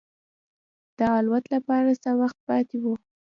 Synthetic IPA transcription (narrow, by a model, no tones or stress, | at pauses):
d̪̥əːlwat̪lapɑɾasawaxt̪̚pɑt̪ewu